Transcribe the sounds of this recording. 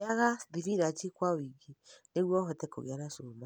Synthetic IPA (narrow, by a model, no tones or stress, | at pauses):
aɣaðiɾiɾat͡ʃikwawiɡineɣwɔɦɔtɛko̰ɣḛaɾasoma